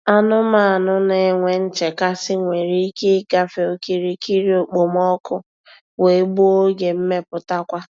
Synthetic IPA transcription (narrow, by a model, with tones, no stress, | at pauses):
a˦nʊ˦ma˦a˨nʊ˦ne˨˦ŋʷe˨n̩˦t͡ʃe˨ka˦sɪ˦ŋʷe˨ɾi˦i˦ke˦ɡa˦fe˨o˦ki˦ɾi˦ki˦ɾi˦o˨k͡po˨m˦ɔ˦kʊ˦ | we˨˦ɡ͡bu˦o˦ɡe˨m̩˦me˦pʊ˨ta˦kʷa˦